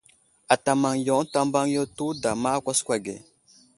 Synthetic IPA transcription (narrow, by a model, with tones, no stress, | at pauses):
a˨ta˨ma˨ŋjo˨˦ta˦mba˦ŋjo˦tu˦da˨ma˦kʷa˦skʷa˨ɡḛ˨